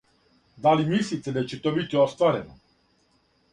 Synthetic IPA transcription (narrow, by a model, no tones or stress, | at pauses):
d̪alimislit̪ɛd̪at͡ɕet̪oːbit̪iost̪ʋaɾḛno